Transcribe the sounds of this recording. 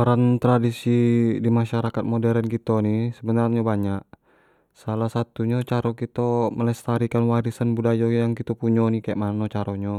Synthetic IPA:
oɾant̪ɾadisidimaʃaɾakat̪̚modɛɾənkit̪onisəbənarɲabaɲaʔ̚ | salahsat̪uɲat͡ʃaɾokit̪oməlɛst̪aɾikanwaɾisənbudajojaŋkit̪opuɲonikajaʔmanot͡ʃaɾoɲa

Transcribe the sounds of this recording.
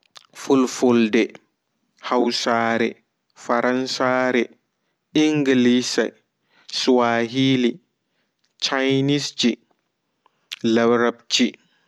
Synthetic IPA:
fulfoldɛ | hawsaːɾɛ̰ | faɾansaːɾɛ | iŋɡilisa̰ | swaːɦili | t͡ʃajnisd͡ʒi | labɾabt͡ʃi

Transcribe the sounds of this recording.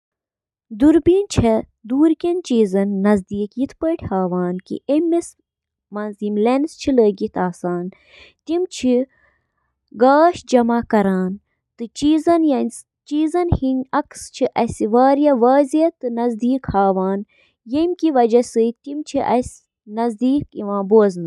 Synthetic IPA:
d̪uɾbiːnt͡ʃʰɐ | d̪uːɾkʲɐnt͡ʃiːzɐnːɐzd̪iːkjit̪ʰpəːʈʰʲhaːʋaːnkḭʔemːes | mɐnzimlenst͡ʃʰiləːɡit̪ʰaːsaːn | t̪imt͡ʃʰi | ɡaːʃd͡ʒɐmakɐɾaːn | t̪ɨt͡ʃiːzɐnjɐnʲs | t͡ʃiːzɐnhinʲɐkst͡ʃʰiʔɐsiʋaːɾjɐʋaːziɐt̪ɨnɐzd̪iːkhaːʋaːn | jemkiʋɐd͡ʒɐsɨt̪imt͡ʃʰiʔɐ̰s | nɐzd̪iːkiʋãːboːznɨ

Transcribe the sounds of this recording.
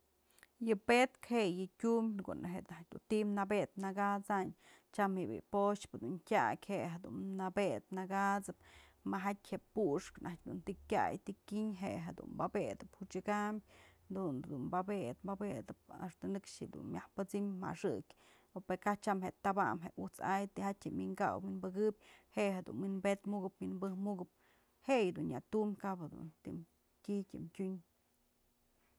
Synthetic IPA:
jɨpet̪kheʔjɨkʲumbʲko̰nʔeɦenak̚ʲd̪ṵnt̪imnabet̪̚naɡat͡saɲ | t͡ʃamhebḭpot͡ʃpd̪unkʲakʲheʔɦed̪ṵnnabet̪̚naɡat͡sɨpmaɦatʲhepuʂknʔak̚ʲd̪unt̪ikʲa̰jt̪ikʲiɲɦeʔɦed̪ṵnmbabed̪ɨphut͡ʃɨɡambʲ | d̪und̪unbabet̪babed̪ɨp̚a̰ʂt̪anɨkʂhid̪ṵnmʲjahpɨt͡simma̰ʂɨkʲ | opeɾkat͡ʃamɦeʔt̪aba̰mɦeʔut͡sajt̪ihatʲhemiŋɡa̰wwinbɨɡɨbʲheʔɦed̪ṵnwinbet̪muɡɨpminbɨhmuɡɨp̚ | hejd̪unːjat̪umkaʔphed̪ṵnt̪im | kitʲɨmtʲuɲ

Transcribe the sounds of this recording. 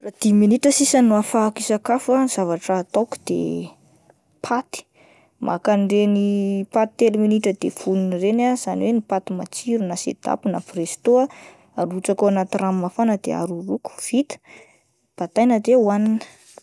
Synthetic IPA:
rad̪iminiʈ͡ʂəsisanːuafakisakafaiz̥avaʈ͡ʂaːt̪oku̥d̪̥ḛ | pʰat̪i̥ | ma̰kanɖ͡ʐenipat̪t̪ːeliminiʈ͡ʂəd̪efununrenaz̥aniwenipat̪ima̰t͡siɾunasḛd̪̥a̰punaprest̪oa | aɾuut͡sakoanat̪iramːafanəd̪̥ḛa̰ɾuruku̥v̥it̪ə̥ | b̥at̪ajnəd̪euaninə̥

